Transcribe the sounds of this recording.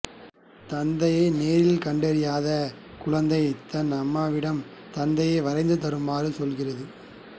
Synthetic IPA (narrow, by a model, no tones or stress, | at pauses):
t̪ɐnd̪ɐjeːneːɾɪlkɐɳɖɐɾɪjaːðɐ | kʊɻɐnd̪ɐjɪt̪ːɐnɐmːaːʋɪɽɐm | t̪ɐnd̪ɐjeːʋɐɾɐɪnd̪ɯt̪̬ɐɾɯmbaːɾɯsɔlɣɪrɐðɯ